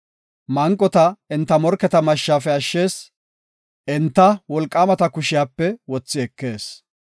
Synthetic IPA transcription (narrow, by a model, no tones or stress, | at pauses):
mɐŋkʼːɔt̪ɐɪnt̪ːɐmɔɾkːɛt̪ɐmɐʃːaːfɛɐʃːe̞ːs | ʔɪnt̪ːɐwɔlkʼːaːmɐt̪ɐkʊʃɪjaːpːɛwɔt͡sːɪɛkːe̞ːs